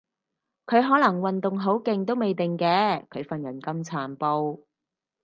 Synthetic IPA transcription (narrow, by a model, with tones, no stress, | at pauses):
kʰɵ˨˧ɥɦɔː˨˥lɐ˨˩ŋwɐ˨nt̪ʊ˨ŋɦo˨˥wkɪ˨ŋt̪o˥wme˨jt̪ɪ˨ŋkɛː˧kʰɵ˨˧ɥfɐ˨njɐ˨˩nkɐ˥mt͡sʰaː˨˧npo˧˥w